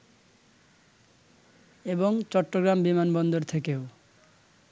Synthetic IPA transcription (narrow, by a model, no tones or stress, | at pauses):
eboŋt͡ɕɔʈːoɡɾambimanbɔnd̪oɾt̪ʰekeo